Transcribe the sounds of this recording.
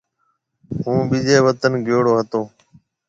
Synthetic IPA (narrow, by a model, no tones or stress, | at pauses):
ɦũːbiːd͡ʒeːʋət̪ənɡʱjoːɽoːɦət̪oː